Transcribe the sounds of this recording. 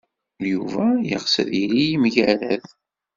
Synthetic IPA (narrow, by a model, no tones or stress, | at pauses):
juvæjəʁsə̰ðiɾijimʝæɾæð